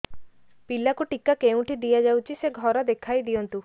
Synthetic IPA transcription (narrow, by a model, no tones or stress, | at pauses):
pilakuʈikakeũʈʰid̪ijad͡ʒawt͡ʃʰiseɡʱɔɾɔd̪ekʰajd̪ijɔnt̪u